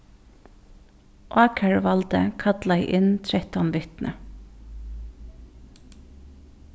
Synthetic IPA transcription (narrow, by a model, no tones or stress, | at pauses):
ʔɑːkʰəɹʋɑlt̪ə̰kʰɑt̪laɪʔɪnt̪ʰɾɛt̪ɔnʋʏht̪nʔə̰